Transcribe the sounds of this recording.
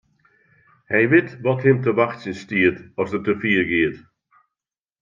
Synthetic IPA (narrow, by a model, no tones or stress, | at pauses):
hɛjvɪtvɔthɪmtʰəvaxsɪnstiːədɔsðətʰəfiːɡiːəd̥